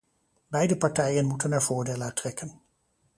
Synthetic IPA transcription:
bɛjdəpɑɹtɛjənmutənɛɹv̥ʊːɹdeːlatrɛkən

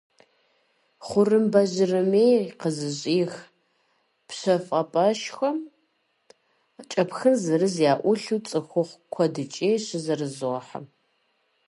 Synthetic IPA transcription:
χʷʊrɨmbɐʒɪrɨmeːqəzɨɕʼiːx | pɕɐfʼɐpʼɐʃxɐm | t͡ʃʼɐpxɨnzɐrɨzjaːʔʷʊɬuːt͡sʼɨxʷʊχʷkʷʰɔdɨt͡ʃʼeːɕɪzɐrɨzoħa̰m

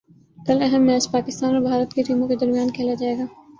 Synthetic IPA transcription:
k̪ɐlɛɦəmːɛːspaːkɪst̪aːnɔɾbʱaːɾət̪keʈiːmõked̪ɐɾmijaːnkʰɛːlad͡ʒaːeːɡaː

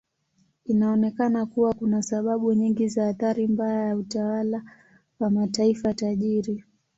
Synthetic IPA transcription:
inaɔnɛkanakuwakunasaɓaɓuɲiŋɡizaːθaɾimbajajautawala | wamataifataʄiɾi

